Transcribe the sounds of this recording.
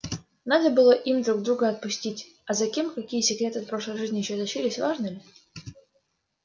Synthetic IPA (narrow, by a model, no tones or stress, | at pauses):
nad̪əbɨlˠəʔimd̪ɾuɡ̚d̪ɾuɡəɐt̪̚pʊsʲtʲitʲ | ɐzɐkʲe̞mkɐkʲijəsʲɪkɾʲe̞t̪ɨɐt̪pɾo̞ʂlˠəjʐɨzʲnʲɪjɪɕːozɐʂilʲɪsʲvaʐnɨmʲɪ